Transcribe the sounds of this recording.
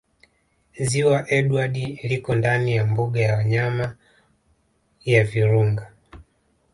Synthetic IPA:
ziwaʔɛɗuaɗilikɔndanijambuɡajawaɲama | javiɾuŋɡa

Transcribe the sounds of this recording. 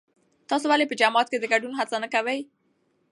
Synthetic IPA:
t̪ɑsowalepəd͡ʒamɑt̪̚ked̪əɡaɖunɦat͡sanəkawəj

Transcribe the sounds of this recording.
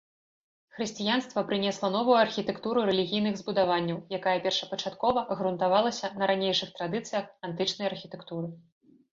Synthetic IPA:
xɾɨsʲt͡sʲijanst̪vɐpɾɨnʲɛslˠɐnɔvujuɐrxʲit̪ɛkt̪uɾuɾɛlʲiɣʲijnɨɣzbud̪avanʲːɐwjakajɛpʲɛrʂɐpɐt͡ʂat̪kɔvɐʔɐɣɾunt̪avalˠɐsʲɐnɐɾanʲejʂɨxt̪ɾad̪ɨt̪sɨjɐxant̪ɨt͡ʂnɐjɐrxʲit̪ɛkt̪uɾɨ

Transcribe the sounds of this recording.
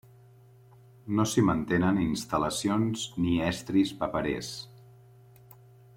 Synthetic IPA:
nosimənt̪enəninst̪ələsionzniɛst̪ɾispapəɾḛs

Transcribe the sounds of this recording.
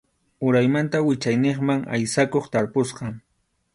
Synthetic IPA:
ʊɾajmant̪awɪt͡ʃajneχmaŋa̰jsakoχt̪aɾposqɑ

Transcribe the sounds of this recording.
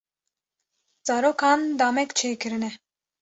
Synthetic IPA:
d͡zaɾɔkʰand̪amɛkt͡ʃʰɛjkʰɨɾɨnɛ

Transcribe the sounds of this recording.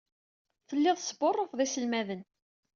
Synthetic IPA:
θəlːɪðˤsəborˤːofðˤisəlmæðən

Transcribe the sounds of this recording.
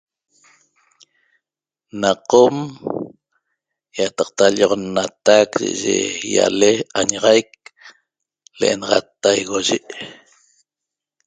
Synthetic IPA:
naqom | jat̪ɑq̚t̪aʎʔoʁonːat̪akʒa̰ʔaʒḛja̰leaɲaʁɑjk̚ | leʔenɑʁɑt̪ːajɣoʒiʔ

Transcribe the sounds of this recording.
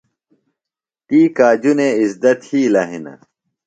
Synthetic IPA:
t̪iːkaːd͡ʑuneisd̪ɐt̪hiːlɐɦinɐ̰

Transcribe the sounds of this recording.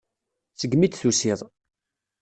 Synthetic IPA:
t͡səɡmit͡s̪θusiðˤ

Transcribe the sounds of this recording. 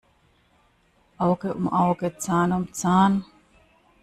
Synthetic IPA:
ʔawkeʔṵmʔawket͡saːnumt͡saːn

